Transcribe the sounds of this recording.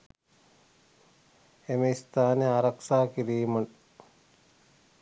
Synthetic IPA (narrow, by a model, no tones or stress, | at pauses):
emeist̪aːneaːɾɐkʂaːkiɾiːmɐʈ